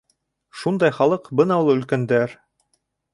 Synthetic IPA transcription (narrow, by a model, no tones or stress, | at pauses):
ʃund̪ɑjχɑlˠɤqbɤnɑulˠɵ̆lkænd̪æɾ